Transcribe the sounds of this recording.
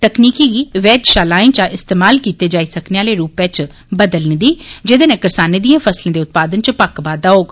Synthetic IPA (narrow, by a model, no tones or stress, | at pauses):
t̪əkniːkiːɡiːʋɛːd͡ʒʃaːlaːĩnt͡ʃaʔɪst̪eːmaːlkiːt̪eːd͡ʒaːiːsəkneːaːleːɾuːpẽt͡ʃ | bəd̪əlniːd̪iːd͡ʒɪd̪eːnẽːkəɾsaːneːd̪ijãːpʰəslẽːd̪eːʊt̪̚paːd̪ənt͡ʃəpəkbaːd̪aːoːɡ